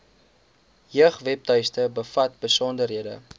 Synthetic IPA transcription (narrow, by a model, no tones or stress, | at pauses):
ɦiəχvɛp̚tœjstəbəfɐt̚bəsɔndərɦiədə̰